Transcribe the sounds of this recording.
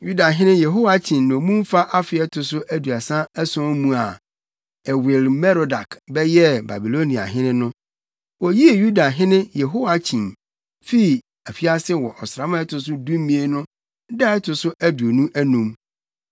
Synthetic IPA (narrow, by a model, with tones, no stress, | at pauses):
ju˦da˨ɦɪ̃˦nɪ̃˦jɛ˨ɦo˦wa˨t͡ɕʰĩ˨ñː˨mũ˦m˦fa˦ʔa˦fɪ˨˦ɛ˦tʰʊ˨sʊ˦ʔæ˦du˨a˨sã˦æ˦sʊ̃˦mũ˦a˨ | ɛ˨wɪ˨lmɛ˦ɾo˨da˨kbɛ˦jɛ˦ba̰˨bi˨lo˦nĩ˨a̰˨ɦɪ̃˦nɪ̃˦nʊ̃˦ | wɔ˨ji˦e˨ju˦da˨ɦɪ̃˦nɪ̃˦jɛ˨ɦo˦wa˨t͡ɕʰĩ˨n | fi˦i˨ | æ˨fi˦a˦sɪ˦wɔ˨ʔɔ˨sɾa˨˦mã˦ɛ˦tʰʊ˨s̬ʊ˦dũ˦mĩ˦e˦nʊ̃˦ | dɛ˦ɛ˦tʰʊ˨sʊ˦ʔæ˦du˨o˨nũ˦ʔæ˦nũ˨m